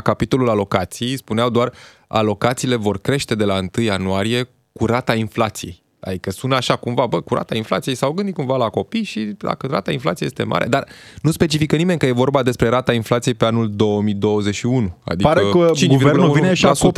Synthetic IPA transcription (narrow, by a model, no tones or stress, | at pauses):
kapit̪o̞lulalo̞kat̪sijejspuneawd̪oar | a̰lo̞kat̪siːle̞vo̞rkɾe̞ʃt̪e̞d̪e̞laɨnt̪ɨjanuaɾije̞ | kuɾat̪ainflat̪sije̞̰j | a̰d̪ikəsunt̪aʃakumvabəkuɾa̰t̪ainfla̰t̪sije̞jsawɡɨnd̪it̪̚kuɱvalako̞pijʃid̪a̰kəɾa̰t̪ainflat̪siejest̪e̞mʔa̰ɾʔe̞̰d̪arnuspe̞t͡ʃifikənime̞ɲʲkəje̞vo̞rbad̪e̞spɾe̞ɾat̪ainflat̪sije̞jpe̞anuld̪o̞wəmid̪o̞wəze̞ʃiunua̰d̪ikəət͡ʃiɡuvernuvineasu